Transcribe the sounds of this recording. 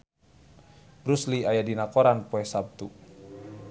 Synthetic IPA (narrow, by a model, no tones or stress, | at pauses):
bɾusliajadinakoɾanpoɛsab̚t̪u